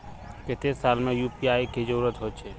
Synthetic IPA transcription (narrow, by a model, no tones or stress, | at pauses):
ket̪esaːlmẽjuːpiaːiked͡ʒəɾuːɾət̪ɦot͡ʃʰe